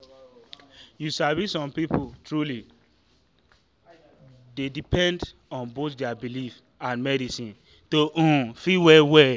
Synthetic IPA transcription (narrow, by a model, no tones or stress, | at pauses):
jusavisɔ̃mpiputʰɹuli | dedipɛ̃nd | ɔ̃nbotdɛabilif | ãnmɛɾisĩn | toʔũfiwɛwɛ